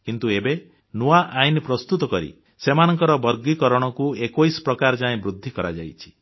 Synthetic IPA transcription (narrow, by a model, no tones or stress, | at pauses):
kint̪uebe | nuaʔajnpɾɔst̪ut̪ɔkɔɾḭ | semanɔŋkɔɾɔbɔɾɡikɔɾɔɽ̃ɔkuekojspɾɔkaɾd͡ʒaẽbɾud̪ʱːikɔɾa̰d͡ʒa̰jt͡ʃʰi̥